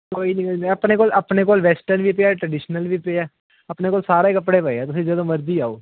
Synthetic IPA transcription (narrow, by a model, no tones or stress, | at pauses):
koːinĩkoːinəpneːkoːləpneːkoːlʋɛːsʈənʋiːpeaːʈɾəɖɪːʃnəlʋiːpeaː | əpneːkoːlsaːɾeːkəpɽeːpəeɛːt̪ʊsĩːd͡ʒəd̪õːməɾdiːaːo̰ː